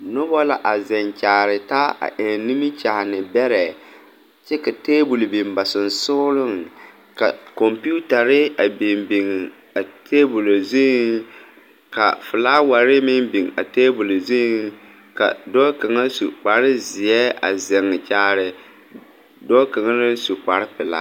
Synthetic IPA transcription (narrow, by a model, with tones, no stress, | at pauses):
no˦bɔ˦la˨ʔa˨zɛ˨ŋt͡ʃaː˨ɾɪ˨ta˦a̰˨ʔɛ˨ni˦mi˦t͡ʃa˨hnɪ˨bɛ˦ɾɛ˨ | t͡ʃɛ˦ka˨teː˦bu˨lbi˨mba˨sɪ˨n˨sʊ˦lʊ˦ŋ | ka˨kɔ˨mpu˦ta˨ɾɪ˦a˨bi˨mbi˨ŋ˨ | a˨tʰeː˦bu˨lo˨zi˦ŋ | ka̰˨fʊ˨laː˦wa˨ɾɪ˦mɪ˦nbi˨ŋa̰˨teː˦bu˨lzi˦ŋ | ka̰˨dɔ˦ka˨ŋa˦sṵ˨k͡pa˨ɾɪ˦zɪ˨jɛ˦a̰˨zɛ˨ŋːɨ˨t͡ʃaː˨ɾɪ˨ | dɔ˦ka˨ŋa˦nɪ˦su˨k͡pa˨ɾɪ˦pɪ˨la̰˦